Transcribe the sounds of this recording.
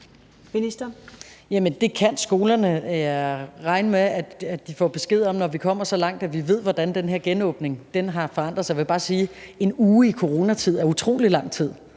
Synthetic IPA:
minisd̥ɐjæmənd̥e̝kʰænsɡ̥o̝ːlɐnə | ʁɑ̈ɪnəmeæ̥æd̥ifɒ̰ːb̥e̝sɡ̥e̝ð̰ˠɒ̽mnɒʋikʰɒ̽m̰ɐsɒ̽lɑ̈ŋ̰d̥æʋiʋe̝ð̞̰ˠʋɒd̥ænd̥enɦeɐ̰ɡ̥enɔ̽ːb̥ne̝ŋd̥enɦɑ̈fɒ̽ɑ̈n̰d̥ʁð̩ˠsjɑjʋe̝jb̥ɑ̈ːsiːe̝nuːikʰo̝ʁo̝ːnæt͡sʰið̞̰ˠæɐut͡sʰʁo̝̰ːlilɑ̈ŋ̰t͡sʰið̰ˠ

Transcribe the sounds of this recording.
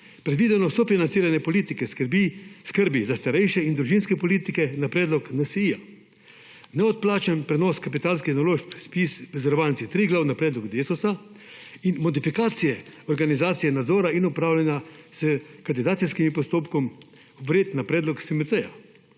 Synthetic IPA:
pɾɛd̪ʋiːd̪ɛnɔsɔfinansiːɾanɛpɔliːt̪ikɛskəɾbiskəɾbizast̪aɾɛjʃɛind̪ɾuʒinskɛpɔliːt̪ikɛnapɾɛːd̪lɔknasiija | nɛɔt̪̚plaːt͡ʃanpɾɛnɔskapit̪aːlskixnɔloʃkspisɾɛzɛɾʋaːlntt͡s̪it̪ɾiɡlawnapɾɛːd̪lɔɡd̪eːsɔsa | inmɔd̪ifikaːt̪sijɛɔɾɡanizaːt̪sijɛnad̪zɔːɾainɔpɾaːwlʲjɛnaz̥əkand̪id̪aːt̪sijskimipɔst̪oːpkɔm | ʋɾeːt̪napɾɛːd̪lɔksimɛsɛja̰

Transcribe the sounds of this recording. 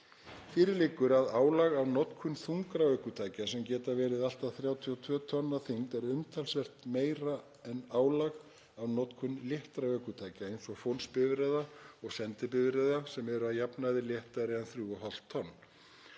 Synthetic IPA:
fɪːɾɪɾlɪːkːʏɾaðaːwlaɣavnɔt̪kʰʏnθuŋkɾaœːkʏt̪ʰaːjcasɛmcɛːt̪avɛːɾɪðal̥t̪aθɾjaːwt̪ʰiɔt̪ʰvœːt̪ʰɔnːaθiŋt̪ɛɾʏmt̪ʰalsvɛr̥t̪meːjɾa | ɛnaːwlaɣ | avnɔt̪kʰʏnljɛht̪ɾaœːkʏt̪ʰaːjcaejnsɔɣfonspɪvɾɛðaɔɣsɛnt̪ɪp̬ɪvɾɛðasɛmɛɾʏaðjapnaðɪljɛht̪aɾɛanθɾuːɔɦɔl̥t̪ʰːɔnː

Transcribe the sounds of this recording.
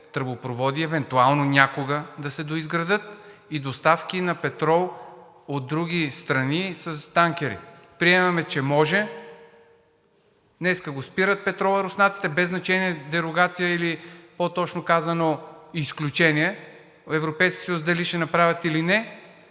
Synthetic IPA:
t̪ɾbopɾovɔd̪iɛvɛnt̪ualˠnonʲakoɡəd̪ɐsɛd̪oizɡɾɐd̪ɤt̪id̪ost̪afkʲinɐpɛt̪ɾɔlˠ | od̪̚ːɾuɡʲist̪ɾɐnisɐst̪aŋkʲɛɾḭ | pɾiɛmɐmɛt͡ʃɛmɔʒɛ | nɛskəɡospiɾət̪̚pɛt̪ɾɔlˠɐɾosnat̪si̥t̪ɛbɛznɐt͡ʃɛniɛd̪ɛɾoɡat̪sijəilipot̪ɔt͡ʃnokazɐnoːsklʲut͡ʃɛniɛ | ɛvɾopɛjskʲisəjusd̪ɐliʃɛnɐpɾavʲɐt̪ilinɛ

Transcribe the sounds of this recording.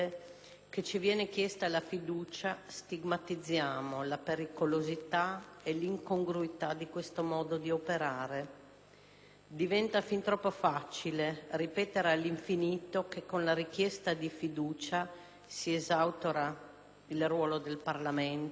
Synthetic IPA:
ket͡ʃivjɛːnek̟jɛst̪alafid̪uːt͡ʃast̪iɡmat̪id̪zːjaːmolapeɾikolozit̪aeliŋkoŋɡɾuit̪ad̪ikwest̪omɔːd̪od̪iopeɾaːɾe | d̪ivɛnt̪afint̪ɾɔpːofat͡ʃileripɛːt̪eɾalːiɱfiniːt̪okekːonlaɾik̟jɛst̪ad̪ifid̪uːt͡ʃa | siezawt̪oɾa | ilrwɔːlod̪elparlament̪

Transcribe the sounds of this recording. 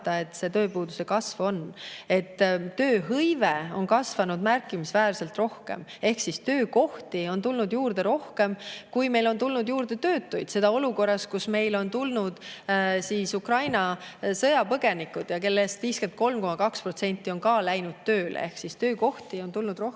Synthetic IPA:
d̪̥ɑe̞t̪ːse̞t̪øːpuːd̪use̞kɑsvo̞ne̞t̪ːø̞ːɦɤjveo̞nkɑsvɑnud̪̥mærkːˑimisvæːrse̞lt̪ro̞hke̞̰me̞hksist̪ø̞ːko̞ht̪io̞nt̪ulnud̪juːrd̪̥e̞ɾo̞hke̞mkujme̞jlo̞nt̪ulnud̪juːrd̪e̞t̪ø̞ːt̪ːujd̪̥se̞d̪̥ɑo̞luko̞rːɑskusme̞jlo̞nt̪ulnud̪̥siːsukrɑjnɑsɤjɑpɤɡ̥e̞nikːˑud̪̥jɑke̞lːest̪viːske̞nt̪̚ko̞lmko̞mɑkɑksprot̪se̞nʲt̪ːˑio̞nkɑːlæjnud̪̥̚t̪ːøːlḛe̞hksist̪øːko̞ht̪io̞nt̪ulnud̪ro

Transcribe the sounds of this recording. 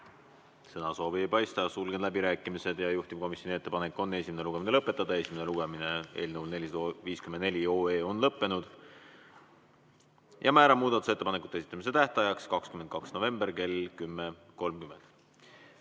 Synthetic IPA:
sɤnɑso̞ːviepɑjst̪ɑsulɡed̪læbiɾæːkˑːimise̞d̪jɑjuht̪im̥̚ko̞misʲjonie̞t̪ːepɑnekːˑo̞nːe̞sʲimene̞luɡe̞mine̞lɤpːˑe̞t̪ːˑɑd̪ɑe̞sʲimene̞luɡ̥e̞mine̞e̞̰ːlnəuwlne̞lʲisd̪oviːskymend̪ne̞lʲio̞ːe̞ːo̞nlɤpːe̞nud̪̥ | jʔɑ̰mæːɾɑmuːd̪ɑt̪ˑuse̞t̪ːepɑnekːˑut̪ːesi̥t̪ːˑɑmis̬e̞t̪æht̪ɑjɑkskɑkskymend̪̚kɑksno̞ve̞mbe̞rke̞lkymːe | ko̞lmkymːe̞nd̪̥

